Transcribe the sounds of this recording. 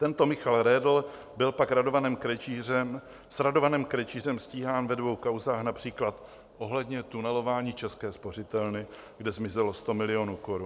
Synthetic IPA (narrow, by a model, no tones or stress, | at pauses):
t̪ɛnt̪o̞mɪxalɾɛːdl̩ | bɪlpakɾadovanɛːmkɾɛt͡ʃirɛm | sɾado̞vanɛːmkɾɛt͡ʃiːr̝ɛmsciːɦaːnvɛdvo̞wkawzaːxnapr̝̥iːklat̪ | ʔo̞ɦlɛdɲɛt̪unɛlo̞vaːɲiːt͡ʃɛskɛːspo̞r̝ɪt̪ɛlnɪ | ɡdɛzmɪzɛlo̞st̪o̞mɪlɪo̞nuːko̞ɾun